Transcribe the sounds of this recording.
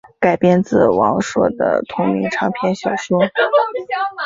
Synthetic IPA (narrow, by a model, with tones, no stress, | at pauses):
ka˨˩ɪpjɛ˥nt͡sɹ̩˥˩wɑ̰˧˥ŋʂwɔ̰˨˩d̪ə̰˩t̪ʰʊ˧˥ŋmi˧˥ŋʈ͡ʂʰɑ˧˥ŋpʰjɛ˥nɕjɑ˨˩ʊɕjo˥